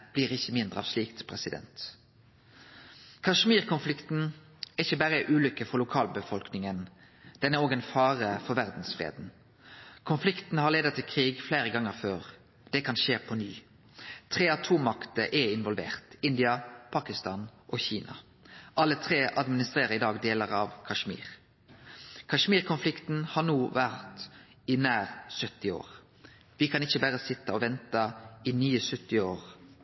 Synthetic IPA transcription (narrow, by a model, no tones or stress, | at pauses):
b̥liːʁɪçːəmɪnd̪ʁəɑ̰ːʋsliːkt̪pʰʁɛsɪd̪ɛ̰nt̪ | kʰɑʂmiːʁkʰʊnflɪkt̪n̩ | ɛɪçəbæːʁəʔʉːlʏkːəfɔʁlʊkʰɑːlbəfɔlknɪŋən | d̪̥ɛnæʁoːɡɛɪnfɑːʁəfɔɾʋæʁd̪n̩sfʁḛːd̪n̩ | kʰʊnflɪkt̪n̩hɑʁleːd̪ət̪ʰːɪlkʰʁiːɡfleːɾəɡɑŋːəʁføːʁ | d̪̥ɛkʰɑnʃeːpʰɔnyː | t̪ʰʁeːɑt̪ʰuːmːɑkt̪əʔɛɪnʋɔlʋḛːʁt̪ɪnd̪ɪɑpʰɑːkɪst̪ɑːnʔɔçiːnɑ̰ | ʔɑlːət̪ʰʁeːʔɑd̪mɪnɪst̪ʁeːʁəɾɪd̪ɑːɡd̪eːləʁɑʋkʰɑʂmḭːʁ | kʰɑʂmiːʁkʰʊnflɪkt̪n̩hɑʁnuːʋæʁt̪ | ɪnæːʁsœt̪ːɪo̰ːʁ | ʋɪkʰɑnɪçəbæʁəsɪt̪ːəɔʋɛnt̪əɪnyːəsʉt̪ːɪoːʁ